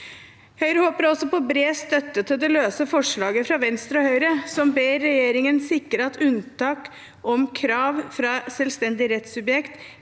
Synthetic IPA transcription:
hœʏɾəhoːpəɾɔsɔpɔbɾeːst̪œt̪ːət̪ʰɪld̪ɛløːsəfɔʂɭɑːɡəfɾɑʋɛnst̪ɾɔhœʏɾəsɔmbeːɾːɛjeːɾɪŋənsɪkːəɾəɑt̪ʰʉnt̪ɑːk | ʔɔmkʰɾɑːʋfɾɑsɛlst̪ɛnd̪ɪɾɛt̪sʉbjɛkt̪

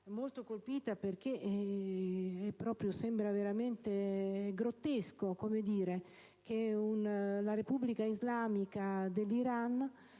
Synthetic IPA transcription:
mːolt̪okolpiːt̪aperk̟eʔ | ɛpːɾɔːpɾjosɛmbɾaveɾament̪eɡɾot̪ːeskokomed̪iːɾe | k̟eunlaɾepubːlikaizlaːmikad̪elːiɾan

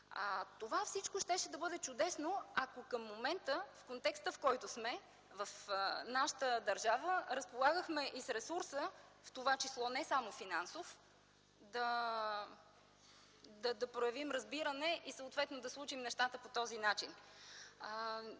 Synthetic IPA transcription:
t̪ovafsit͡ʃkoʃt̪ɛʃɛd̪ɐbɤd̪ɛt͡ʃʊd̪ɛsnoɐkokəmːomɛnt̪əfkont̪ɛkst̪əfkɔjt̪ʊsmɛ | vɐfnaʃə̥t̪əd̪ɐɾʒavəɾɐspolˠaɡəxmɛʔisɾɛsuɾsəft̪ovat͡ʃislˠɔnɛsamofinansof | d̪ɐ | d̪ɐd̪ɐpɾojɐvimɾɐzbiɾənɛʔisəʊt̪vɛt̪nod̪ɐslˠut͡ʃimnɛʃt̪at̪əpot̪ɔzinat͡ʃin

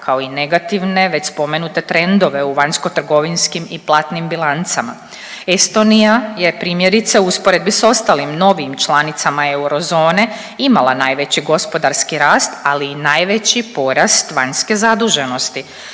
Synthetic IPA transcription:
kʰao̞ine̞ɡat̪iʋne̞ʋe̞t͡ɕspo̞me̞nut̪e̞t̪ɾe̞nd̪o̞ʋe̞uʋaɲsko̞t̪r̩ɡo̞ʋinskimiplˠat̪nimbilˠant̪sama̰ | est̪o̞nijaje̞pɾiːmjeɾit̪seuspoɾe̞d̪biso̞st̪alimno̞ʋimt͡ʃlˠanit̪samae̞uɾo̞zo̞ːne̞ | imalˠanajʋe̞t͡ɕiɡo̞spo̞d̪aɾskiɾaːst̪aliːnajʋe̞t͡ɕipo̞ɾast̪ʋaɲske̞zad̪uʒe̞no̞st̪i

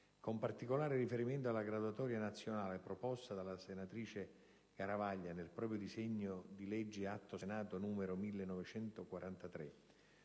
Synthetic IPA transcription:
kompart̪ikolaːɾɪrifeɾiment̪oalːaɡɾad̪uat̪ɔːɾjanat̪sːjonaːlepɾopɔst̪ad̪alasenat̪ɾiːt͡ʃe | kaɾavaʎːanelpɾɔːpɾjod̪izeɲːod̪ilɛd͡ʒːiat̪ːosenaːt̪onuːmeɾomilːenːɔvet͡ʃɛnt̪okwaɾʔant̪at̪ɾe

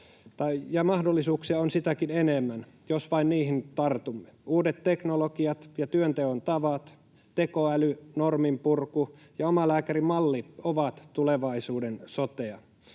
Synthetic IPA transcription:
t̪ɑijɑmɑhdolːisuːksiɑonsit̪ækinenemːæn | josʋɑinniːɦint̪ɑrt̪umːeuːdet̪te̞knolokiɑt̪jɑt̪yønt̪eont̪ɑʋɑt̪ | t̪ekoælynormimpurku | jɑomɑlæːkærimɑlːioʋɑt̪t̪uleʋɑisuːdensot̪eɑ

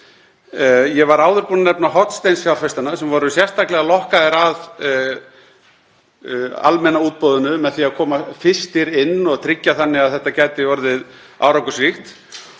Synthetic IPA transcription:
jɛvaɾaːwðʏɾpunanɛpnaɦɔt̪st̪ejnsfjawfɛst̪anasɛmvɔːɾʏsjɛr̥st̪aklɛɣalɔhkaðɛɾað | a̰lmɛnauːt̪̚pɔːðʏnʏmɛðθiaðkʰɔːmafɪst̪ɪɾɪnːɔɣt̪ʰɾɪcːaθanːɪaðθɛht̪acajt̪ɪvɔɾðɪð | a̰ːwɾawkʏsvɪxt̪

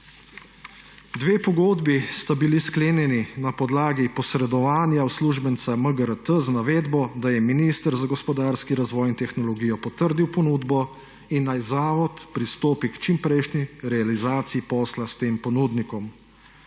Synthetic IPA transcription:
d̪ʋeːpɔɡoːd̪bist̪abiliskleːnjɛninapɔd̪laːɡipɔsɾɛd̪ɔʋaːnjawsluːʒbənt̪saməɡəɾət̪əzanaʋeːd̪bɔd̪ajɛminist̪əɾzaɡɔspɔd̪aɾskiɾazʋɔːjint̪ɛxnɔlɔɡiːjɔpɔt̪əɾd̪iwpɔnuːd̪bɔ | inːajzaːʋɔt̪pɾist̪oːpikt͡ʃimpɾɛjʃniɾɛalizaːt̪siipɔːslast̪eːmpɔnuːd̪nikɔm

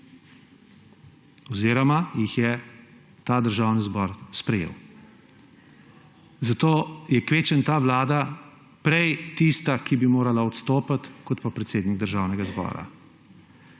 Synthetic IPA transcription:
ɔziːɾɔmajixjɛ | t̪aːd̪əɾʒaːwnizbɔɾspɾɛjḛːw | zat̪oːjɛkʋeːt͡ʃənt̪aːʋlaːd̪a | pɾɛjt̪ist̪akibimoːɾalaɔt̪st̪oːpat̪kɔt̪papɾɛt̪seːd̪niɡ̚d̪əɾʒawnɛɡazbɔ̰ːɾa̰

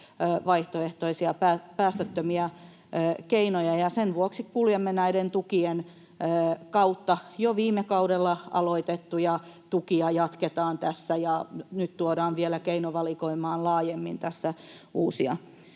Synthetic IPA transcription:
ʋɑiht̪oeht̪oisiɑpæːpæːst̪øt̪ːømiæː | keinojɑjɑsenʋuoksikkuljemːenæident̪ukienː | kɑut̪ːɑjoʋiːmekɑudelːɑɑ̰loit̪et̪ːujɑt̪ukiɑjɑt̪ket̪ɑːnt̪æsːæjɑnyt̪t̪uoɾɑːnʋielækeinoʋɑlikoimɑːnlɑːjemːḭnt̪æsːæ | uːsiɑ̰

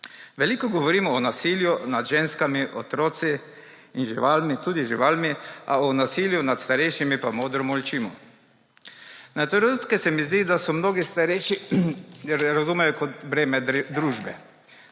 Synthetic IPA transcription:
ʋɛliːkɔɡɔʋɔɾiːmɔːnasiljunad̪ʒeːnskamiʔɔt̪ɾoːt̪si | inʒiʋaːlmit̪uːd̪iʒiʋaːlmiʔa̰ɔnasiːljunat̪st̪aɾɛjʃimipamoːd̪ɾɔmɔlʲt͡ʃiːmɔ̰ | nat̪ɾɛnut̪kɛsɛmizd̪id̪asɔmnoːɡist̪aɾɛjʃijɛɾɾazumɛjɔkɔt̪bɾeːmɛd̪ɾuːʒbɛ

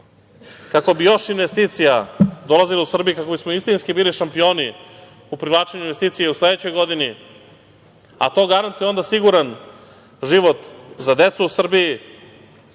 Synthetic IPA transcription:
kako̞bijo̞ʃinʋest̪iːt̪sijad̪o̞lazilausr̩bijukako̞bismoist̪inskibiːliʃampijo̞ːni | upɾivlˠaːt͡ʃeɲuinʋe̞st̪iːt̪sijeusle̞d̪et͡ɕo̞jɡo̞d̪ini | a̰t̪o̞ɡaɾant̪ujeo̞nd̪asiɡuɾan | ʒiʋo̞t̪zad̪e̞t̪suusr̩biji

